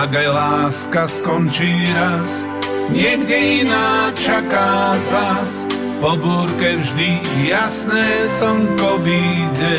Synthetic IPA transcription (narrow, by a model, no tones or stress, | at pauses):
aɡajlaːskaskɔnt͡ʃiɾas | ɲɪɛɡɟɛinaːt͡ʃakazas | pɔbuːɾkɛvʒd̪i | jasnɛːsɔmpɔʋiɟɛ